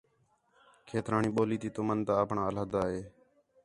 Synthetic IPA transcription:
kʰeːt̪ɾaːɳiːɓoːliːt̪iːt̪oːmənt̪aːəːpɳaːələːd̪aːɦeː

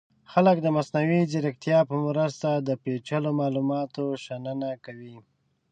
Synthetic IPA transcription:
xalək̚d̪əmasnawizɪɾɪkt̪jɑpəmɾəst̪ad̪əpet͡ʃəlomɑlumɑt̪oʃanənakawi

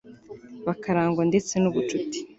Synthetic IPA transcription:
βakaɾaːŋɡonde̞t͡se̞nuβut͡ʃuti̥

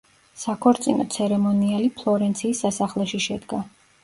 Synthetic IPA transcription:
sakʰɔɾt̪sʼinɔ̰t̪sʰɛɾɛmɔnialipʰlˠɔɾɛnt̪sʰiːsːasaχlɛʃiʃɛd̪ɡa

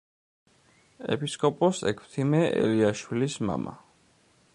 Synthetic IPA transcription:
ɛpiskʼɔpʼɔsɛkʰt̪ʰimɛʔɛliaʃwilisma̰mʔa

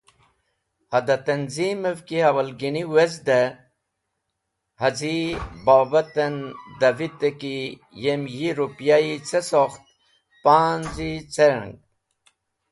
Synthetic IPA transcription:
hɐd̪ɐt̪ɐnzimevkihɐwɐlɡiniwezd̪e | hɐzibaːbɐt̪end̪ɐvit̪eki | jemjiɾupjait͡sesoxt̪̚ | paːnzit͡seɾ̰ŋɡ̚

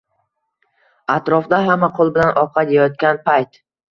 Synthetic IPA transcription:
at̪ɾɒfd̪aɦamːaqʰolˠbɪlanʔɒqʰɑd̪ejɒt̪̚kʲanpʰajt̪

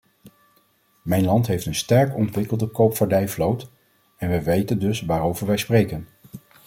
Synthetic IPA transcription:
mɛjnlɑntɦejftənstɛɹkɔntʋɪkəlˠdəkowpfaɹdɛjflowt | ɛnʋəjʋejtəndɵsʋaːɾowvəɹʋɛjsprejkən

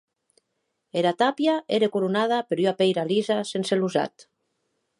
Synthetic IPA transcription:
eɾat̪apjaeɾekuɾunaðapeɾyapejɾalizasenseluza̰t̪

